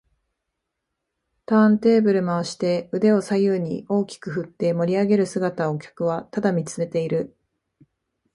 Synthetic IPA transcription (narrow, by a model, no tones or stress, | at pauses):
t̪ãnt̪e̞ːbɯ̟ɾɯ̟maaɕi̥t̪e̞ɯ̟d̪e̞o̞sajɯːɲ̟ḭo̞ːkʲi̥kɯ̟ɦɯ̟t̪ːe̞mo̞ɾʲiaɡe̞ɾɯ̟sɨɡat̪ao̞kʲḁkɯ̟β̞at̪ad̪amʲit͡sɨme̞t̪e̞iɾɯ̟